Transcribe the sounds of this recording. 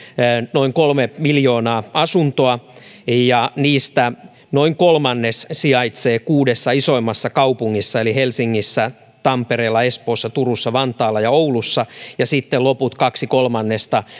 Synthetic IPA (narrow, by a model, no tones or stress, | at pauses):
noiŋkolmemiljo̞ːnɑːɑsunt̪oɑjɑniːst̪æ | noiŋkolmɑnːessiɑjt̪seːkuːdesːɑiso̞imːɑsːɑkɑupuŋːisːɑelihelsiŋːisːæ | t̪ɑmpeɾeːlːɑespoːsːɑt̪urusːɑʋɑnt̪ɑːlːɑjɑouwlusːɑjɑsit̪ːeloput̪kɑksikolmɑnːest̪ɑ